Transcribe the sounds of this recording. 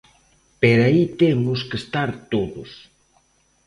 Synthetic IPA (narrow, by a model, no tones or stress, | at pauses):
peɾait̪emʊskest̪aɾt̪oðʊs